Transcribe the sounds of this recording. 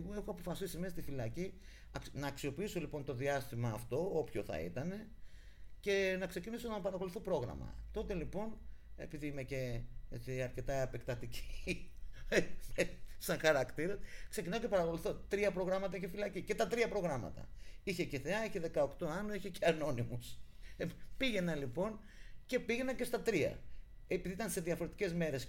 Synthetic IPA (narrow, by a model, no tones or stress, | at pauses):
mue̞xoɐpo̞fɐsisimest̪ifilɐci | ɐknɐːksio̞piiso̞lipo̞nt̪o̞ðiɐst̪imɐːft̪o̞opço̞θɐ̰ḭt̪ɐne̞ | ce̞nɐkse̞ciniso̞nɐpɐɾɐko̞luθopɾo̞ɣɾɐ̰mɐ̰t̪o̞t̪e̞lipo̞ne̞̰piðiimece̞et͡siɐɾce̞t̪ɐɐpe̞kt̪ɐt̪ici̥ | sɐŋxɐɾɐkt̪iɾɐskse̞cinɐocepɐɾɐko̞luθot̪ɾiɐpɾo̞ɣɾɐmɐt̪ɐicefilɐcice̞t̪ɐt̪ɾiɐpɾo̞ɣɾɐmɐ̰t̪ɐ̰içe̞ceθeɐiçeðe̞kɐokt̪oɐnoiçeceɐno̞nimus | piɣe̞nɐnlipo̞n | ce̞piʝe̞nɐɲce̞st̪ɐt̪ɾiɐ̰ | epiðiit̪ɐnse̞ðiɐfo̞ɾe̞t̪i̥ce̞zme̞ɾe̞s